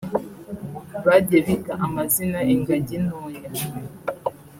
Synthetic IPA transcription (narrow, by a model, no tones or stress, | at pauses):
βaɟeɾikaʔamazinaeŋɡaɟinoɲa